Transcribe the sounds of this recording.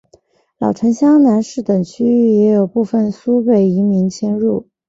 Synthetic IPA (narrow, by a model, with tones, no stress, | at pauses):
lɑ̰˨˩ʊʈ͡ʂʰɤ˧˥ŋɕjɑ˥ŋna˧˥nʂɻ̩˥˩t̪ɤ˨˩ŋt͡ɕʰy˥˩jɛ˧˥jo˨˩ʊpu˥˩fə˥˩nsu˥pe˥˩ɪi˧˥mi˧˥ŋt͡ɕʰjɛ˥nɻu˥˩